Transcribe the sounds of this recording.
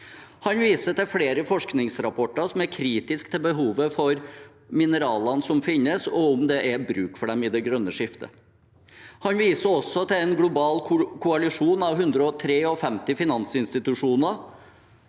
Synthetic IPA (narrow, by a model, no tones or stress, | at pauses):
hɑnʋiːsət̪ɪfleːɾəfɔʂknɪŋsɾɑpʰɔʈːɑɾsɔmæɾkʰɾiːt̪ɪskt̪ʰɪlbəɦuːʋəfɔɾ | mɪnəɾɑːlɑnsɔmfɪnːəsɔɔmd̪ɛʔæbɾʉːkfɔɖɛmɪd̪ɛɡɾœnːəʂɪft̪ʰə̰ | hɑnʋiːsəɔsːɔt̪ɪɛnɡlʊbɑːlkʰʊɑlɪʂuːnɑʋɦʉnd̪ɾəɔt̪ʰɾeːɔfɛmt̪ɪfɪnɑnsɪnst̪ɪt̪ʉʂuːnəɾ